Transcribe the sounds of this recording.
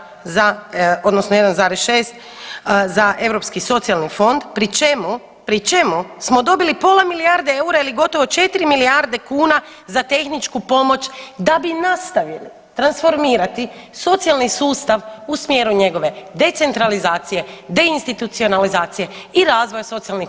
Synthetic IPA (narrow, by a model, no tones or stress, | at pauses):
zao̞d̪nosnoje̞d̪anzaːɾesʃe̞ːst̪ | zaʔe̞ʋɾo̞pskiso̞t̪sialnifo̞nd̪pɾit͡ʃemu | pɾit͡ʃemusmo̞d̪o̞bilipo̞lamiliaɾd̪eeuɾailiɡo̞t̪o̞ʋo̞t͡ʃe̞t̪iɾimiliaɾd̪e̞kuːna | zat̪e̞xnit͡ʃkupo̞mo̞t͡ʃd̪abinast̪aʋjili | t̪ɾansfo̞ɾmiːɾat̪i | so̞t̪sijalnisuːst̪aʋusmje̞ɾuɲe̞ɡo̞ʋe̞d̪e̞t̪se̞nt̪ɾalizaːt̪sije̞d̪e̞inst̪it̪ut̪sio̞nalizaːt̪sije̞iɾaːzʋojaso̞t̪ialni